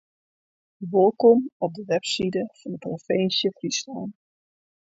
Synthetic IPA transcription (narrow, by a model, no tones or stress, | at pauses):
əʋolˠkɔmɔp̚dəʋɛpsidəfɑnətrofejnsjəfrislaːn